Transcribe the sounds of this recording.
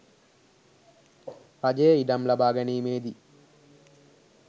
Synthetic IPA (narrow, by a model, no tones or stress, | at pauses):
pɐd͡ʒeːiɖɐmlɐbʱaːɡɐniːmeːd̪i